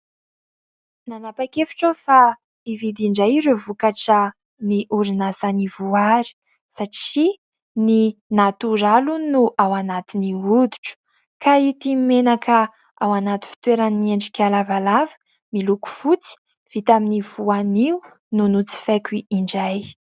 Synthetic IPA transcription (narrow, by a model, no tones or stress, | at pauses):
nanapakefi̥ʈ͡ʂofa | ivid̪iɳɖ͡ʐajiɾevukaʈ͡ʂə | niʔuɾinasanivuaɾi̥ | saʈ͡ʂi | ninat̪uɾalunuʔawanat̪iniud̪u̥ʈ͡ʂə̥ | kait̪imenakʰə | awanat̪i̥fi̥t̪weɾaniːieɳɖ͡ʐikʲalavalavə̥ | miluku̥fut͡si̥ | v̥it̪aminivuaniu | nunut͡si̥fakʲiiɳɖ͡ʐaj